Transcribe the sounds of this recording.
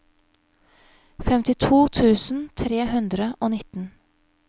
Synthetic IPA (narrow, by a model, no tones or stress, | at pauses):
fɛmt̪ɪt̪ʰuːt̪ʰʉːsn̩t̪ʰɾeːhʉnd̪ɾəʔoːnɪt̪n̩